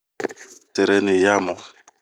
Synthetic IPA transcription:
tɛ˨ɾɛ˦ni˨ja˦mɔ˨

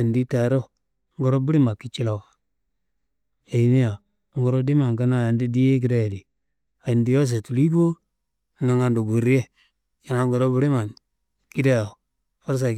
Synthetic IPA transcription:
a˨ndi˦ta˨ɾo˦ | ŋɡo˨ɾo˦bu˦ɾi˦ma˨kːi˦t͡ʃi˦lo˨kḁ˨ | a˨ji˨ni˦ja˨˦ | ŋɡo˨ɾo˦di˦ma˨ŋka˦na˦˨ja˨ndi˦di˦je˦k̬i˨˦da˦je˨di˨ | a˨i˨ndi˦jo˦s̬e˨tu˨li˦bo˦˨˦ | na˨ŋa˨ndo˨ɡu˨ɾi˦je˦ | ja˨na˨˦ɡo˨ɾo˦bi˦ɾi˦ma˨n | ki˦de˦a˨ | fa˦ɾs̬a˨

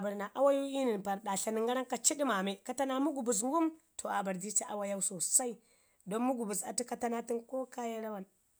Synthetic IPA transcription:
a˨ba˨ɾna˨ʔa˦wa˦ju˦i˦ni˨n˨pa˨ɾɗa˨ɬa˨ni˨ŋɡa˦ɾa˦nka˦t͡ʃi˦ɗi˦ma˨me˦ka˦ta˦na˦mu˦ɡu˨bu˨s̬ŋ˦ɡu˦mtʰo˨a˨ba˨ɾdi˦t͡ʃa˦ʔa˦wa˦ja˦wso˨sa˦i˦ | do˦nmu˦ɡu˨bu˨sa̰˨ti˦ka˦ta˦na˦ti˦nko˦ka˦ja˦ɾa˦wa˦˨n

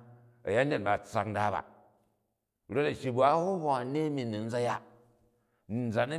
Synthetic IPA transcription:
ɐ̰˨ja˦n˦de˦˨ba˨t͡sa̰˨k̚n̩˦da˦ba̰˨ | ɾo˦ta˨ʃi˨bu˨a˦hu˦hʷa˨˦ne˦mi˨ni˨n̩˦d͡za˦ja˦ | n˨n˦d͡za˨nɐ˦

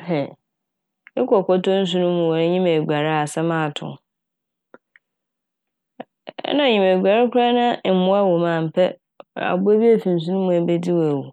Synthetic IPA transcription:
hɛ˨ | ɪ˦kɔ˨kɔ˦tɔ˦n̩˦s̬ũ˦nʊ̃˦mũ˨wɔ˨ɾɪ̃˦ɲĩ˦me˨ɡʷa˨ɾa˦a˨sɛ˦mãː˦˨tʰʊ̰̃˨ | ɛ̰˦nã˦˨ɲĩ˨me˨ɡa˨ɾa˦kʰʷʊ˦a˦nã˦˨m̩˦mʊ̃˦a˦wɔ˨mãː˨m̩˨pʰɛ˦˨ | a̰˨bʊ˦æ˦bi˦æ˦fĩ˨n̩˨s̬u˦nũ˦mũ˨æ˨bɛ˦di˦wæ˨wu˨

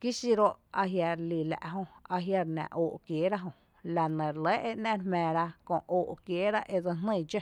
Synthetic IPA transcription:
ki˦si˧ɾo˦ʔa˧ɦja˧ɾli˨læ̰˨ʔɦõ˧a˧ɦja˧ɾnã̰˨ʔoː˨ʔkjeː˨˦ɾa˦ɦõ˧ | la˨nə̃˨ɾlə˨˦ʔe˦˧ʔnã˦ɾmɛ̃ː˨˧ɾa˧kõ˧˨ʔʔoː˨ʔkjeː˨˦ɾa˦ʔe˧d͡zə˧nnə̃˦˧˨d͡ʒe˦˨

